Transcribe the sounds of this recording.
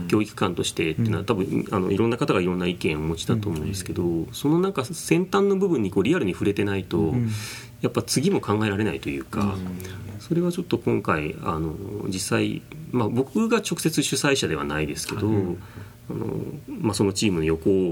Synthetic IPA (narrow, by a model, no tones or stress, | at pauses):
kʲo̞ːikɯ̟̥kãnt̪o̞ɕi̥t̪e̞t̪ːeiːnaat̪abɯ̟̃ano̞̰iɾõ̞nːakat̪aɡaiɾõ̞nːaikẽ̞ɰ̃omo̞t͡ɕi̥d̪at̪oːmooɯ̃nd̪esɨ̥ke̞d̪o̞so̞no̞nãŋkasẽ̞nt̪ãnːo̞bɯ̟bɯ̟̃ɲ̟ːiko̞ːɾʲiaɾɯ̟ɲ̟iɸɯ̟ɾe̞t̪e̞nait̪o̞ | japːat͡sɨɡʲimo̞kãŋɡae̞ɾaɾe̞nait̪o̞jɯ̟̰ːka̰ | so̞ɾe̞β̞at͡ɕo̞t̪ːo̞kõ̞ŋkaia̰no̞d͡ʑisaḭmabo̞kɯ̟ɡat͡ɕo̞kɯ̟se̞t͡sɨɕɨsaiɕad̪e̞a̰naid̪e̞sɨ̥ke̞d̪o̞ | ano̞̰maso̞not͡ɕiːmɯ̟no̞jo̞ko̞